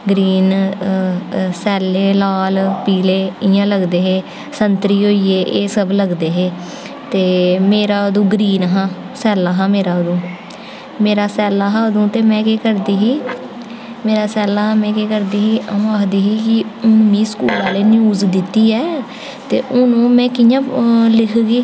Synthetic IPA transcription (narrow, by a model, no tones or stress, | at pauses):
ɡɾiːn | sɛːleːlaːlpiːleːɪjãːləɡd̪eːɦeː | sənt̪ɾiːɦoːiːeːʔeːsəbləɡd̪eːɦeː | t̪eːmeːɾaːəd̪ũːɡɾiːnɦãː | sɛːlaːɦãːmeːɾaːod̪ũː | meːɾaːsɛːlaːɦãːəd̪ũːt̪eːmɛ̃ːkeːkəɾd̪iːɦiː | meːɾaːsɛːlaːãːmɛ̃ːkeːkəɾd̪iːɦiːʔəõːaːkʰd̪iːɦiːkɪʊnmĩːskṵːlaːleːnɪuːd͡ʒd̪ɪt̪ːiːɛː | t̪ḛːʔʊnũːmɛ̃ːkijãːlɪkʰɡiː